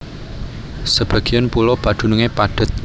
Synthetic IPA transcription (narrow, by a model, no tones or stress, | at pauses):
səb̥a̤ɡ̥i̤ənpulɔb̥ad̪̥ṳnuŋepaɖ̥ə̤t̪̚